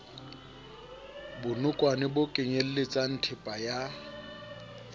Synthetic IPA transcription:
bʊnʊkʼwanɪbʊkʼɪɲel̩lɪt͡sʼan̩tʰɪpʼaja

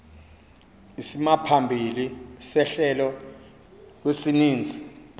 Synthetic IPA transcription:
isimapʰambʱilisɛɬɛlɔ | kwesiniːnd͡zʱi

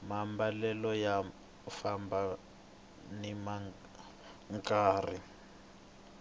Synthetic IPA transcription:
mambalɛlɔja | famba | nima | ŋkaːri

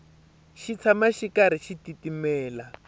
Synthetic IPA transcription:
ʃit͡sʰamaʃikaɾ̤iʃititimɛːla

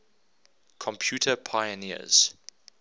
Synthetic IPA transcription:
kʰɔ̃mpʰjuːˑtʰəpʰajəniə̰z̥

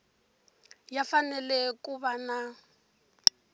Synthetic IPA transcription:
jafanɛlɛkuβana

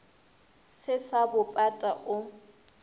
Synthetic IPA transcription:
sɪsabʊpʼatʼaʔʊ

